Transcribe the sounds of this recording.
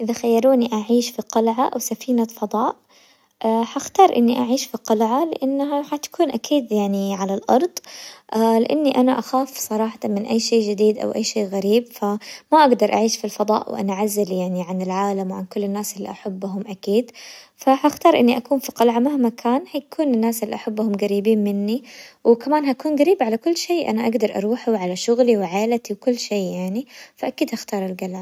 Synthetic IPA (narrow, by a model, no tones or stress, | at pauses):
ʔɪðaxajːɑɾˤuːniʔaʕiːʃfiqɑlʕaʔwsafiːnafɑd̪ˤɑːʔ | ħaxt̪ɑːɾˤʔɪnːiʔaʕiːʃfiqɑlʕalɪ̰ʔanːɦaħat̪ḁkuːnʔakʰiːd̪jaʕniʕalalʔɑ̰ɾˤd̪ˤʔalɪʔanːiʔanaʔaxaːfsˤɑɾˤɑːħɑt̪ˤɑnmɪnʔajːʃeːʔd͡ʒɪd̪iːd̪ʔa̰wʔajːʃeːɣaɾiːbfamaʔaɡd̪ɑɾˤʔa̰ʕiːʃfilfɑd̪ˤɑ̰ːʔwʔa̰naʕazːaljaʕniʕanɪlʕaːlamwʕa̰nkʊlːɪnːaːsɪlːḭʔaħabːʊɦʊmʔakiːd̪fahxt̪ɑːɾˤʔɪnːiʔakuːnfiqɑlʕamahmakʰaːnhajkʰuːnɪnːaːsɪlːiʔaħabːʊhʊmɡaɾiːbiːnmɪnːiwkamaːnɦakuːnɡaɾiːbʕalakʊlːʃeːʔa̰naʔaɡd̪ɑɾˤʔɑ̰ɾˤuːħawʕalaʃʊɣliwʕaːlat̪iwkʊlːʃeːjaʕnifaʔakiːd̪haxt̪ɑːɾˤɪlɡalaː